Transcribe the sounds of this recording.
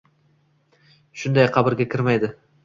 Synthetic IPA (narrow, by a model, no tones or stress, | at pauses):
ʃʊnd̪ajqʰɑbɪɾɡʲakʲʰɪɾmajd̪ɪ